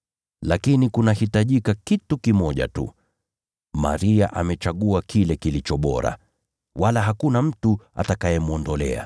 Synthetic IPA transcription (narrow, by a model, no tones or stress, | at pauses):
lakinikunahitaʄikakitukimɔʄa̰tṵ | ma̰ɾiaʔa̰mɛt͡ʃaɠuakʰilɛkilit͡ʃɔɓɔ̰ɾa̰ | walaɦakunam̩tua̰takajɛmuɔndɔlɛ̰a̰